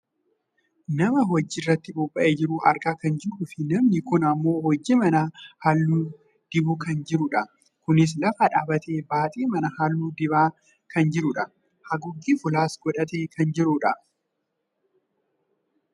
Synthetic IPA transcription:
nɐmɐɦɔd͡ʒːɪrːɐt̪ːɪbʊbʼːɐʔeːd͡ʒɪɾʊʔɐ̰ɾkʼaːkɐnd͡ʒɪɾuːfɪnɐmnɪkʊnɐmːo̞ːhɔd͡ʒːɪmɐnahɐlːuː | d̪̥ɪbʊkɐnd͡ʒɪɾʊᶑɐ | kʊnɪs̬lɐfɐᶑaːbɐt̪ʰe̞ːbaːt̪ʼiːmɐnɐhɐlːuːd̪ɪbaː | kʰɐnd͡ʒɪɾʊᶑɐ | hɐɡʊɡːiːfʊlaːsɡɔᶑɐt̪e̞ːkʰɐnd͡ʒɪɾʊᶑɐ

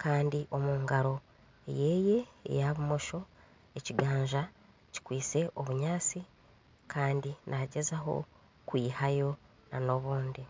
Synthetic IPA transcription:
kʰaːndiʔo̞muːŋɡaɾo̞ | ḛje̞je̞̰ːjaβumo̞ʃo̞ | e̞ciɡaːɲʒa | ci̥kwiːse̞ʔo̞βuɲaːt͡si | kʰaːndinʔaɟe̞zaɦo̞̰ | kwiːhajo̞ | na̰no̞βuːndi

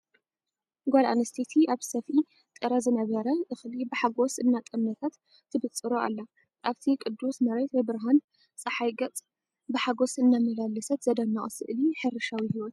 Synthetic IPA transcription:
ɡʷala̰nɐst̪ʰet̪ʰiʔaβsɐfi | t̪ʼɨɾɐzɨnɐβɐɾɐʔɨxlibɨħaɡosɨnːat̪ʼɨmnɐt̪ʰat̪ʰː | ɨbɨt͡sʼːɨɾoa̰lːa | ʔaβt̪ʰikʼɨd̪ːusmɐɾet̪bɨbɨɾɦan | t͡sʼɨħajɡɐt͡sʼ | bɨħaɡo̞sɨnːamɐlalːɨsɐt̪z̥ɐd̪ɐnaʔʼɨsɨ̰ʔliħɨrɨʃawihiwɔt̪

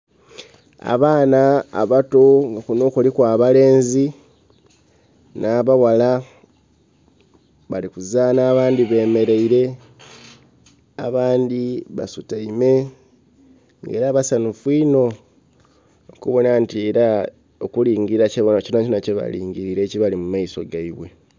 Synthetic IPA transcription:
a̰βaːna̰ːβatoŋɡakuno̞ːkolikwaːβale̞ːnzi | naːβawala | βalikuzanaːβaːndiβe̞ːme̞ɾe̞iɾe̞ | aβaːndiβa̰sutaime̞ | ŋɡe̞̰ːɾaːβasanufwiːno̞ | kuβo̞nantie̞ɾa | okuliːŋɡiɾaceβonacinacinaceβa̰lḭːŋɟiɾiɾe̞ːciβalimumaiso̞ɡaiβwe̞

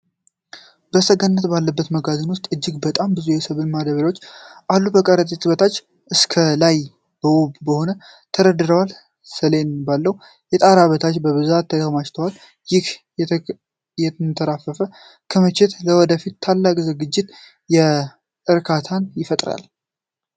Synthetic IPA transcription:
b̥əsəɡənːət̪balːəbːət̪məɡazɨnwʊst̪ʼɨd͡ʒːɪɡbət̪ʼambɨzujɛsəβɨnmad̪əβɾo̞t͡ʃːʔalːubəkʼəɾət̪ʼit̪ʼɨβət̪ʰat͡ʃː | ʔɨskʰəlaj | b̥əwobbəho̞nə | t̪ʰəɾəd̪ɨɾəwal | səlenbalːəw | jɛt̪ʼaɾaβət̪ʰat͡ʃːbəβɨzat̪ʰːəd̪əɣmat͡ʃt̪ʰəwal | jɪh | jɛt̪ʰɨnt̪ʰəɾafəfə | kʰəmɨt͡ʃɛt̪ləwɔd̪əfit̪ʰːalːakʼzɨɡɨd͡ʒːɪt̪ | jɛ | ɨɾkʰat̪ʰanjɪfət̪ʼɾa̰l

